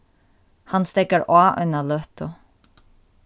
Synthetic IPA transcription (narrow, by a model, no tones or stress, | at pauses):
hanst̪ɛkaɹaːʔʏ̰nːalœht̪ʊ